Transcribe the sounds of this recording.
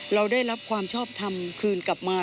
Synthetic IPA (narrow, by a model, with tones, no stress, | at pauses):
ɾa˧wdaː˥˩jɾa˦˥p̚kʰwaː˧mt͡ɕʰɔː˥˩p̚t̪ʰa˧mkʰɯː˧nka˨˩p̚maː˧